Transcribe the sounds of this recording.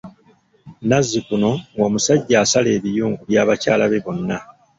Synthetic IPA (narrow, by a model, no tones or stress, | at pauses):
nazːikuno̞ŋɡo̞ːmusaɟːaːsale̞ːβijuːŋɡuβjaːβacaːlaβe̞βo̞nːa